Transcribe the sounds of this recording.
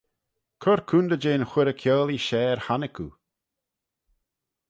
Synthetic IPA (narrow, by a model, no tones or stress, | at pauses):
kʰɔɾkʰund̪əd͡ʒeːnxwɪɾəkʰjɔːliʃɛːɾhanɪkʰṵ